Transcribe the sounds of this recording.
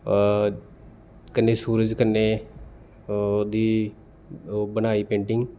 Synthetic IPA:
kənːeːsuːɾəd͡ʒkəne | od̪iː | bənaːiːpẽːɳʈɪ̃ŋɡ

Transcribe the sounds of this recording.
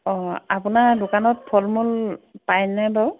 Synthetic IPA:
ɔ̃apunadʊkanɔt̚pʰɔlmulpajnabaw

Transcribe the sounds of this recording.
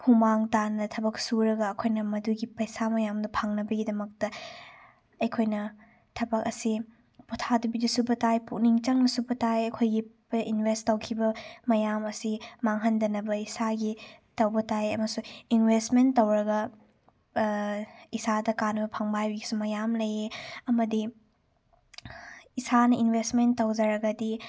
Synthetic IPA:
humaŋtanːɐtʰɐbɐk̚suɾɐɡɐːkʰojnɐmɐduɡipɐjsamɐjamdɐpʰɐŋnɐbɐɡidɐmɐk̚tɐ | ɐjkʰojnɐ | tʰɐbɐk̚ɐsi | putʰadubidɐsubɐtajpuk̚niŋt͡ʃɐŋnɐsubɐtajɐkʰojɡi | inwestɐwkʰibɐmɐjamɐsimaŋɦɐndɐnɐbɐisaɡitɐwbɐtajɐmɐsuinwestmentːɐwɾɐɡɐ | isadɐkanɐbɐpʰɐŋbajbiɡisumɐjamlɐjeɐmɐdi | isanɐinbʱestmentːɐwd͡ʒɐɾɐɡɐdi

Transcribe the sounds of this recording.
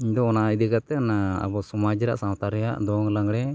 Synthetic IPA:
iɲd̪ɔɔnaid̪ikat̪ɛnaa̰bɔsumad͡ʒiɾa̰ʔsawt̪aɾja̰ʔd̪ɔŋlaŋɡɽɛ

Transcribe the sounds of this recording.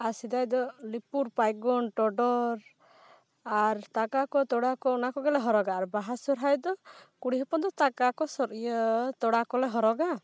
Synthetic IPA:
asid̪ajd̪ɔlipuɾpajɡɔnʈɔɖɔɾ | aɾt̪akakɔt̪ɔɽakɔɔnakɔɡɛlɛɦɔɾɔɡaːɾbaɦasɔɾɦajd̪ɔkuɽiɦɔpɔnd̪ɔt̪akakɔsɔɾijɔt̪ɔɽakɔlɛɦɔɾɔɡa

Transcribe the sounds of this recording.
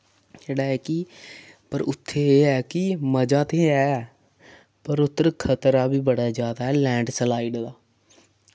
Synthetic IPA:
d͡ʒeːɽaːɛːkɪ | pəɾʊt̪ʰːeːeːɦɛːkɪməd͡ʒaːt̪eːɛː | pəɾʊt̪ːəɾkʰət̪ɾaːbiːbəɽad͡ʒaːd̪aːɦɛːlɛ̃ːɳɖsəlaːɪɖd̪aː

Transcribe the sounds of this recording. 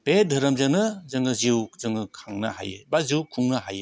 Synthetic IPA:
b̥edʱɐɾɐmzɯnɯzɯŋɯziwzɯŋɯkʰaŋna̰ha̰jɯbaziwkʰuŋnaɦa̰je

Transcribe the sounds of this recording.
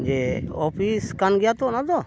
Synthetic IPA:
d͡ʒeɔpʰiskanɡɛjat̪ɔnad̪ɔ

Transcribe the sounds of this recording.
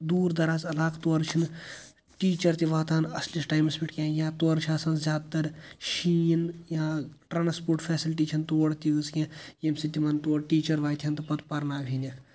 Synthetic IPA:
d̪uːɾd̪ɐɾaːzɐlaːkt̪oːɾt͡ʃʰin | ʈiːt͡ʃɐɾt̪iʋaːt̪aːnɐslisʈaːjmɐspiʈkʲẽːjãːt̪oːɾt͡ʃʰãːsɐnzʲjaːd̪̚t̪ɐɾʃiːnjãːʈɾaːnspoːɾʈfʰɛːsilʈiːt͡ʃʰint̪oːɽt̪iɨzkʲẽjemsit̪imɐnt̪oːɽʈiːt͡ʃɐɾʋaːjt̪ʰʲiɐnt̪ɨpɐt̪pɐɾnaːbʱʲiːnikʰ

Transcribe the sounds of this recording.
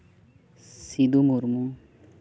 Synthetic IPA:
sid̪umuɾmu

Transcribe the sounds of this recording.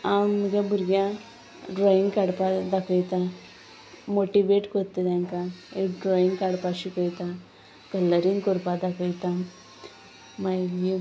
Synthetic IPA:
ammɡebuɾɡjã | ɖɾoːjiŋɡkaɽpad̪akəjt̪a | moʈiʋeːʈkot̪ːed̪aŋkaeɖɾoːjiŋɡkaɽpaʃikəjt̪a | kɐlːəɾiŋkoɾpad̪akəjt̪a | majɡi

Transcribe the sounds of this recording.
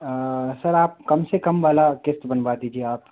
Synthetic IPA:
sɐɾaːp̚kɐmsekɐmʋaːlakɪst̪bənbad̪iːd͡ʒieaːp

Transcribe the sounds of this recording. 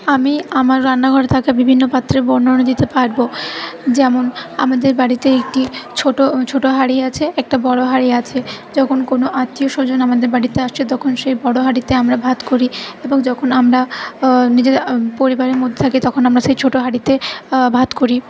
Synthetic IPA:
amiamaɾːanːaɡʱɔɾet̪ʰakabibʱinːopat̪ːɾebɔɾnoonod̪it̪epaɾbod͡ʑɛmona̰mad̪eɾbaɽit̪eek̚ʈit͡ɕʰoʈot͡ɕʰoʈoɦaɽiat͡ɕʰeɛk̚ʈabɔɽoɦaɽiat͡ɕʰed͡ʑɔkʰonkonoʔat̪ːioʃod͡ʑonamad̪eɾbaɽit̪eaʃt͡ɕʰit̪ɔkʰonʃejbɔɽoɦaɽit̪eamɾabʱad̪koɾieboŋd͡ʑɔkʰonamɾa | nid͡ʑepoɾibaɾeɾmod̪ʱːet̪ʰakit̪ɔkʰonamɾaʃejt͡ɕʰoʈoɦaɽit̪ebʱad̪koɾi

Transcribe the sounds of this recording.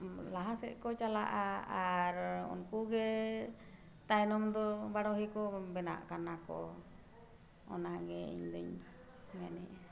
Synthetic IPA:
laɦasɛ̰ʔkɔt͡ʃala̰ʔaaɾṵnkuɡɛ | t̪ajnɔmd̪ɔbaɽɔɦikɔbɛna̰ʔkanakɔ̰ | ɔ̰naɡɛḭɲd̪ɔɲ | manɛʔ

